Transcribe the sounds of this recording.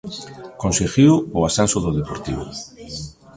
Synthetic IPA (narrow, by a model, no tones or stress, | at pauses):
kõnseɣiwoasansoðoðepoɾt̪iβ̞o̰